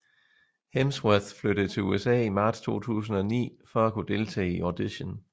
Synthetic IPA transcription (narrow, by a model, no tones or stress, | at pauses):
hemsweð̥fløɾ̥ð̩ˠt͡sʰe̝uesɛ̰ːimɑ̈ːd̥st͡sʰo̝̰ːt͡sʰṵːs̬n̩ɒ̽nḭːfɒ̽ækʰud̥e̝lt͡sʰɛ̰ːiʔɒd̥iɕən